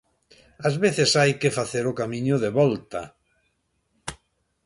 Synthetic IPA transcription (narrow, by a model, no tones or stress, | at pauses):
azβeθesajkefaθeɾʊkamĩɲʊðeβɔlt̪a